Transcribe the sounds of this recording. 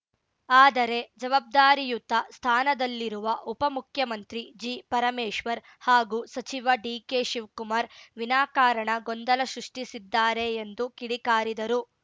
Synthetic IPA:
aːd̪ɐɾe̞d͡ʒɐʋaːb̚d̪aːɾijut̪ɐst̪ʰaːnɐd̪ɐlːiɾuʋɐʔupɐmukʰjɐmɐnt̪ɾid͡ʒiːpɐɾɐmeːʂʋɐɾ | haːɡuːsɐt͡ʃiʋɐɖiːkeːʃiʋkumaːɾʋinaːkaːɾɐɳɐɡond̪ɐlɐʃɾuʂʈisid̪ːaːɾe̞ːnd̪ukiɽikaːɾid̪ɐɾu

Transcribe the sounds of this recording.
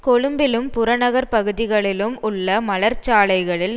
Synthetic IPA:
kɔɻɯmbɪlɯmpʊɾɐnɐɣɐɾpɐɣɯðɪɣɐɭɪlɯmʊɭːɐmɐlɐɾt͡ʃaːɭɐɪɣɐɭɪl

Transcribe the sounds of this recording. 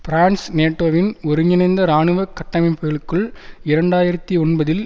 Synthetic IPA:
pɪɾaːɳsneːʈːoːʋɪnɔɾɯɲɪnɐɪnd̪ɐɾaːɳɯʋɐkːɐʈːɐmɐɪpeːɭɯkːɯɭɪɾɐɳɖaːjɪɾɐt̪ːiɔnbɐðɪl

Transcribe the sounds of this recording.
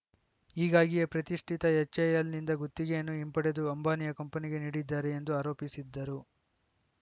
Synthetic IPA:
iːɡaːɡijepɾɐt̪iʂʈʰit̪ɐɦɛt͡ʃːɐjɐlnind̪ɐɡut̪ːiɡenːuimpɐɽed̪uɐmbaːnijɐkɐmpɐniɡe̞niːɽid̪ːaːɾe̞ːnd̪uaːɾo̞ːpisid̪ːɐɾu

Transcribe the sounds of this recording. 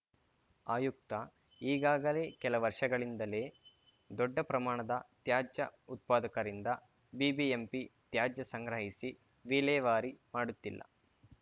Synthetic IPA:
aːjuk̚t̪ɐ | iːɡaːɡɐle̞ːkɛlɐʋɐɾʂɐɡɐɭind̪ɐle̞ː | d̪ɔɖːɐpɾɐmaːɳɐd̪ɐt̪jaːd͡ʒjɐut̪̚paːd̪ɐkɐɾind̪ɐ | bibiempit̪jaːd͡ʒjɐsɐŋɡɾɐɦisi | ʋiːlɛːʋaːɾimaːɽut̪ːilːɐ̰

